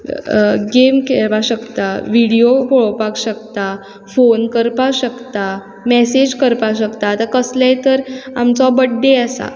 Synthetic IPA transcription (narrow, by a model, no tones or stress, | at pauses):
ɡemkeɭpaɕəkt̪aʋiɽijopɔɭpakɕəkt̪a | fonkəɾpaɕəkt̪a | mɛsed͡ʑkəɾpaɕəkt̪at̪akəslãjt̪əɾa̰mt͡sɔbəɽɖeasa̰